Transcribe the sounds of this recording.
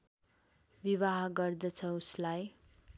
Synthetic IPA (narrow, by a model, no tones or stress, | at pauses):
biβaɦɡʌrd̪ʌt͡sʰʌuslaj